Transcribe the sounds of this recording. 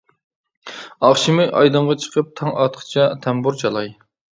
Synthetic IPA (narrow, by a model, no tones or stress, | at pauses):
ɑχʃimɨʔɑ̰jd̪ɨɴʁɑt͡ʃʰə̥qʰəp̚t̪ʰɑŋʔɑt̪qʰə̥t͡ʃʰɑt̪ʰɛmbuɾt͡ʃʰɑlˠɑj